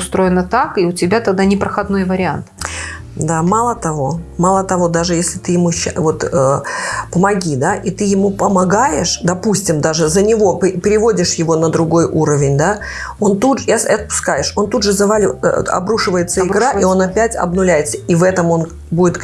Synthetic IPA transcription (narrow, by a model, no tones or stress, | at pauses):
ʊst̪ɾo̞ɪnət̪akiʊtʲɪbʲat̪ɐɡ̚d̪anʲɪpɾəxɐd̪nojvəɾʲɪant̪ | d̪amalˠət̪ɐvo̞malˠət̪ɐvo̞d̪aʐɨjesʲlʲɪt̪ɨjɪmuɕːvo̞t̪əpəmɐɡʲid̪aʔit̪ɨjɪmupəmɐɡajɪʂd̪ɐpusʲtʲɪmd̪aʐɨzənʲɪvo̞pʲpʲɪɾʲɪvo̞dʲɪʂjɪvo̞nəd̪ɾʊɡo̞jʔuɾəvʲɪnʲd̪a | o̞nt̪uɐsɐt̪̚pʊ̥skajɪʂo̞nt̪udʐɨzɐvalʲɪɐ̰bɾuʂɨvəjɪt̪səɪɡɾaʔio̞nɐpʲætʲɐ̰bnʊlʲæjɪt̪səivɛt̪əmo̞n | budʲɪt̪